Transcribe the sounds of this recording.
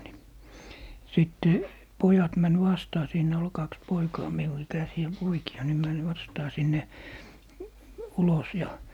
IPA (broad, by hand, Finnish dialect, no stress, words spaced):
ni siˑtːe pojɑt mæn ʋɑstɑː siːnæ ol kɑks poikɑː miu ikæsiæ poikiɑ ni mæn ʋɑstɑː sinːe ulos jɑ